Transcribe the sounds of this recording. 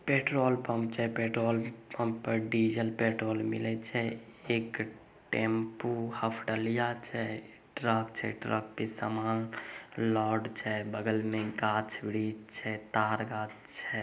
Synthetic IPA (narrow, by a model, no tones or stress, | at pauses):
peʈɾoːlpəmp̚t͡ʃʰɛpeʈɾoːlpəmpːəɾɖid͡ʒəlpeʈɾoːlmḭlɛt͡ʃʰɛek | ʈempohəpʰɖəlijat͡ʃʰɛ | ʈɾəkt͡ʃʰɛ̰ʈɾə̰k̚pesəmaːnlɔːɖt͡ʃʰɛbəɡəlmẽɡaːt͡ʃʰbiɽid͡ʒt͡ʃʰɛt̪aːɾɡaːt͡ʃ | t͡ʃʰɛ